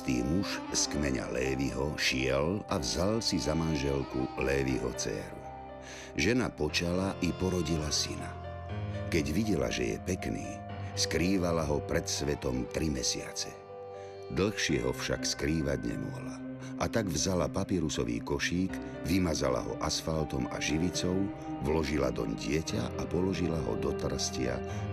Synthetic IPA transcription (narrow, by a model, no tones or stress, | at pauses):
t̪ḭːmuʃskmɛɲa̰lɛːʋiɦɔʃɪɛlavzalsizamanʒɛlkulɛːʋiɦɔ̰t͡sɛ̰ːɾu | ʒɛnapɔt͡ʃalaʔipɔɾɔɟilasina | kɛɟʋiɟɛla̰ʒɛ̰jɛ̰pɛknḭː | skɾiːʋalaɦɔpɾɛt̪sʋɛt̪ɔmt̪ɾimɛsɪa̰t͡sɛ | d̪l̩xʃɪɛɦɔfʃa̰kskɾiːʋaɟɲɛ̰mɔɦla | ʔat̪aɡvzalapapiɛɾusɔʋḭːkɔʃiːɡ | ʋimazala̰ɦɔ̰ʔasfalt̪ɔma̰ʒiʋit͡sɔʊ | ʋlɔʒilad̪ɔ̰ɲɟɪɛca̰ʔapɔlɔʒilaɦɔ̰d̪ɔt̪r̩scɪa̰